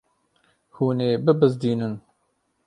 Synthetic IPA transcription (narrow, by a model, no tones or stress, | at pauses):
huːneːbɨbɨzd̪iːnɨn